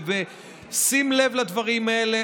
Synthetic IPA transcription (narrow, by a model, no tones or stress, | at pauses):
ve | simle̞vlad̪vaʁimae̞le